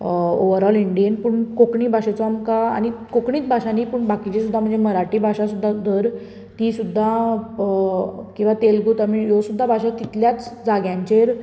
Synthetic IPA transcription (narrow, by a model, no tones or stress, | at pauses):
oʋəɾɔliɳɖijənpuɳkokɳiːbʱaɕet͡sɔamka̰ːñikokɳiːt̪̚bʱaɕaniːpuɳbakit͡ɕesud̪ʱːam̤əɳnd͡zeməɾaʈiːbʱaɕasud̪ʱːad̪ʱəɾ | t̪iːsud̪ʱːa | kĩw̃ʋat̪elɡut̪amijosud̪ʱːabʱaɕat̪it̪ljat͡sd͡zaɡjãɲt͡ɕeɾ